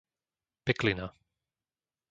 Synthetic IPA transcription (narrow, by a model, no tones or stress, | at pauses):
pɛklina